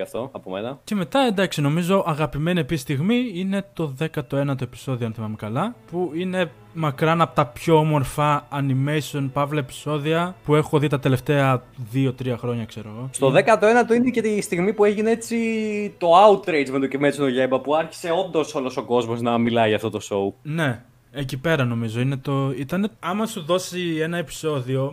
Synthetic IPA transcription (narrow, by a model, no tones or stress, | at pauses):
ɐft̪oɐpo̰mḛnɐce̞me̞t̪ɐe̞nd̪ɐksino̞mizo̞ʔɐɣɐpime̞niepist̪iɣmiine̞t̪o̞ðe̞kɐt̪o̞e̞nɐt̪o̞e̞pi̥so̞ðioɐnθimɐmekɐlɐpuine̞ | mɐkɾɐnɐpot̪ɐpço̞omo̞ɾfɐːnimesio̞npɐvlɐepi̥so̞ðiɐpue̞xoðit̪ɐt̪e̞le̞ft̪e̞ɐðio̞t̪ɾiɐxɾo̞ɲɐkse̞ɾo̞ɣo̞st̪o̞ðe̞kɐt̪oe̞nɐt̪oinece̞t̪ist̪iɣmipue̞ʝineet͡sit̪o̞ɐut̪ɾejd͡zmet̪ocevmesinoʝembɐpuɐɾçi̥se̞o̞nd̪o̞so̞lo̞so̞ko̞zmo̞znɐmilɐiʝɐft̪o̞t̪o̞so̞une̞ | ecipe̞ɾɐno̞mizo̞ine̞t̪o̞it̪ɐne̞ɐmɐsuðo̞sie̞nɐe̞pi̥so̞ðio̞